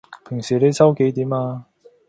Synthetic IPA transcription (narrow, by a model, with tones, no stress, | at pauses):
pʰɪ˨˩ŋsiː˨˩le˨˧jsɐ˥wke˨˧˥jt̪iː˨˥maː˧